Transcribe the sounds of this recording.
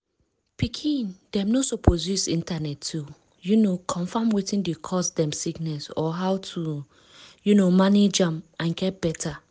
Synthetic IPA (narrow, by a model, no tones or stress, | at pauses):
pikʰĩndɛ̃mnosopʰɔdusḭ̃ntanɛtʰːu | junokʰɔ̃nfamwitĩndikʰɔsdɛ̃msiknɛsɔɦawtʰu | junomaned͡ʒãmãnɡɛt̚b̥ɛtʰa